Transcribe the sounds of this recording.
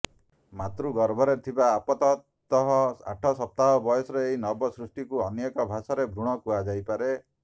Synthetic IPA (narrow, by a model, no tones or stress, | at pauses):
mat̪ɾuɡɔɾbʱɔɾet̪ʰibaːpɔt̪ɔt̪ː | ɔɦɔa̰ʈʰɔsɔp̚t̪aɦɔbɔjɔsɔɾeːɦinɔbɔsɾusʈikuɔnjekɔbʱasɔɾebʱɾuɽ̃ɔkuad͡ʒajpaɾe